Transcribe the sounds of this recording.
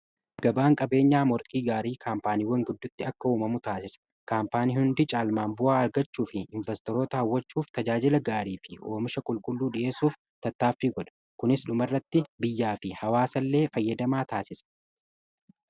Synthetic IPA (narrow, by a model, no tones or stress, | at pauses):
ɡ̥ɐbaːŋkʼɐbe̞ːɲːaːmɔɾk̪ʼiːɡaːɾiːkʰaːmpaːniːwɐŋɡʊd̪ːʊt̪ːɪɐkːɐuːmɐmʊt̪aːsɪsɐ̥ | kaːmpaːniːhʊnd̪ɪt͡ʃʼaːlmaːmbʊʔaːɐɾɡɐt͡ʃːuːfɪɪɱvɛst̪ɔɾo̞ːt̪ɐhɐwːɐt͡ʃːuːft̪ɐd͡ʒaːd͡ʒɪlɐɡaːɾiːfɪo̞ːmɪʃɐkʼʊlkʼʊlːuːᶑɪʔe̞ːsuːf | t̪ɐt̪ːaːfːiːɡɔᶑɐ̥ | kʊnɪsᶑʊmɐrːɐt̪ːɪbɪjːaːfɪhɐwaːsɐlːe̞ːfɐjːɐd̪ɐmaːt̪aːsɪsɐ̥